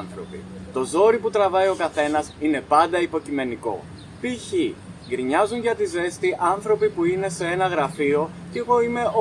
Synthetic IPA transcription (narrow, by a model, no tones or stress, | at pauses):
nθɾo̞̰pḭt̪o̞zo̞ɾiput̪ɾɐvɐio̞kɐθe̞nɐsine̞pɐnd̪ɐipo̞cime̞niko̞̰ | piçiɡɾiɲɐzunʝɐt̪ize̞st̪iʔɐnθɾo̞pipuine̞se̞e̞nɐɣɾɐfio̞ | ceɣo̞ime̞o